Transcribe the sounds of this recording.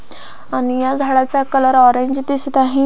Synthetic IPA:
anijad͡zʱaɽat͡sakələɾɔɾẽɲd͡ʑd̪isit̪aɦĩ

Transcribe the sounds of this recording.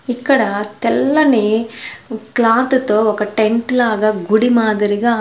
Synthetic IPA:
ikːɐɽɐt̪ɛlːɐneː | klaːt̪ut̪ːoːɔkːɐʈeɳʈlaːɡɐɡuɽimaːd̪ɐɾiɡɐ

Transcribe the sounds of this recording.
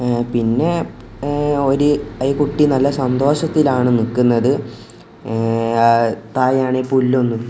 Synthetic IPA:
pinːe̞ | o̞ɾuɐikuʈːinɐlːɐsɐnd̪o̞ːɕɐt̪ːilaːɳɨnikːunːɐðɨ | t̪aːjaːɳepulːonːum

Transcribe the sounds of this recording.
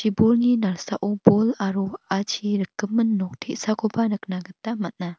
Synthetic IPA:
t͡ʃibolninalsaʔubolaɾuat͡ʃʰiɾəkːəmənːɔk̚tʰeʔsakʰobanɯknaɡət̪ːamat̪̚na

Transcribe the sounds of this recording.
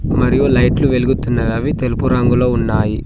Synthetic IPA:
mɐɾijulɐjʈluʋelɡut̪ːunːɐʋɐːʋit̪elupuɾaːŋɡuloːunːaːji

